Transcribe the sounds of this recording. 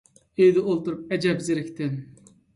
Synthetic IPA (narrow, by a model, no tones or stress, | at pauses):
ejd̪ɛʔolˠt̪uɾup̚ɛd͡ʒɛbzɪɾɪkʲt̪ʰɪn